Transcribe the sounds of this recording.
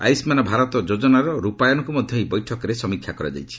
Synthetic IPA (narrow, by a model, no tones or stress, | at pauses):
a̰jsmanɔbʱaɾɔt̪ɔd͡ʒod͡ʒɔnaɾɔɾupajɔnɔkumɔd̪ʱjɔɦijbɔjʈʰɔkɔɾesɔmikʰjakɔɾa̰d͡ʒa̰jt͡ʃʰi̥